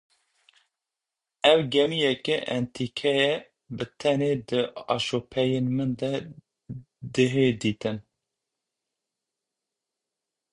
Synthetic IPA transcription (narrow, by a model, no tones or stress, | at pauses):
ɛwɡɛmijɛkɛʔɛnt̪ʰikʰɛjɛ | bɨt̪ʰɛned̪ɨɑ̰ʃopʰɛjenmɨnd̪ɛ | d̪ɨɦed̪iːt̪ɨn